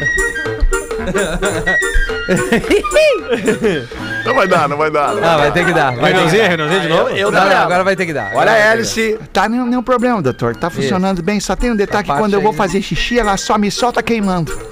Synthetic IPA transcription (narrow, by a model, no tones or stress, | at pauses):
nɐ̃w̃vajd̪anɐ̃w̃vajd̪anãvajt̪ekɪd̪ahenẽwzĩɲɐhenẽwzĩɲɐd͡ʒɪnovʊewd̪alaaɡɔɾɐvajt̪ekɪd̪a̰ɔʎɐɛlɪsit̪anẽj̃nẽj̃ũpɾoblẽmɐd̪ot̪oɾt̪afũsionɐ̃nd̪ʊbẽj̃sɔt̪ẽj̃ũd̪et̪alʊkɪkɐ̃nd̪ewvowfazeʃiʃiɐlasɔmisɔt̪akejmɐ̃nd̪ʊ